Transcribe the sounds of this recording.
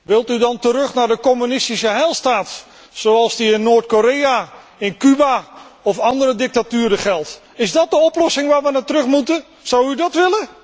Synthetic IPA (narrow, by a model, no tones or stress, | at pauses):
ʋɪlˠtydɑntəɾɵχnaːɹdəkɔmynɪstisəɦɛjlˠstaːt | soɑlˠzdiɪnːoːɹtkoɾeja | ɪnkybaɔfɑndəɾədɪk̚tatyːɾəχɛlˠt | ɪzdɑt̚dəɔplɔsɪŋʋaːɹʋənatərɵχmutə | sʌwydɑtʋɪlə